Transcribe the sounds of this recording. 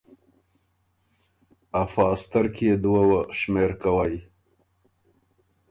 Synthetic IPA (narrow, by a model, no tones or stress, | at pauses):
afɑst̪aɾkijed̪wawəʃmeɾkawaj